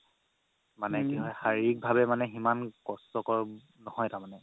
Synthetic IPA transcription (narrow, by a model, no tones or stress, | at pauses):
manɛkiɦɔjxaɹiɹik̚bʱabɛmanɛximankɔstɔkɔɹ | nɔhɔjtamanɛ